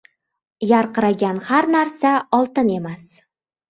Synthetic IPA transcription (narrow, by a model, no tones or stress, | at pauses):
jaɾqɨɾaɡʲanhaɾnaɾsaɒlˠt̪ɪne̞mas